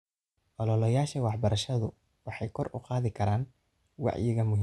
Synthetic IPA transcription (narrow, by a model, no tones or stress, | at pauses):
ʔɔlɔlɐjaːʃɐwɑħbɐɾɐʃɐðʊ | wɑħɑjkʰɔrʊ̰qɑːðɪkʰɐɾaːn | wɑ̰ʕjɪɣɐmʊɦiː